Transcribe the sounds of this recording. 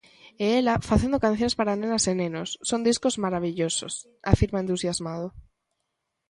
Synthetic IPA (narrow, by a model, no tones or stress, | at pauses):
eelafaθend̪okãn̟θjõspaɾanẽnasenẽnosːond̪iskozmaɾaβiʎoso̰s | a̰fiɾmaent̪usjazmað̞o